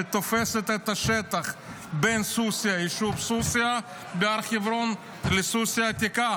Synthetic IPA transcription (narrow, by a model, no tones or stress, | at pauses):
ɪt̪ofɛsɛt̪ɛt̪ɐʃɛt̪ɐχ | bɛnsusɪɐɪʃupsusʲɪa | bɪaɾχɪvɾon | lɪsusʲɪat̪ʲɪka